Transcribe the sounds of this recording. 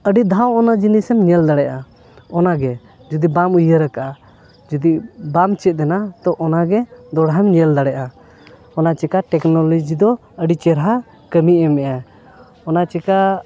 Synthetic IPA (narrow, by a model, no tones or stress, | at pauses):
əɖid̪ʱawɔnad͡ʒinisɛmɲɛld̪aɽɛʔa | ɔnaɡɛ | d͡ʒud̪ibamujəɾəkaʔa | d͡ʒud̪ibamt͡ʃɛt̪̚ˀd̪ɛnat̪ɔʔɔnaɡɛd̪ɔɽɦɛmɲɛld̪aɽɛʔa | ɔnat͡ʃɛkaʈɛknɔlɔd͡ʒid̪ɔ | əɖit͡ʃɛɾɦa | kəmiɛmɛʔa | ɔnat͡ʃɛka